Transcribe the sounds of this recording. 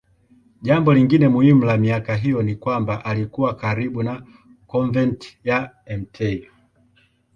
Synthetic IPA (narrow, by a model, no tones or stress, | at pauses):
ʄambɔliŋɡinɛmuim̩lamiakaɦijɔnikwambaʔalikuwakaɾiɓuna | kɔɱvɛntja | ɛm̩tʰɛi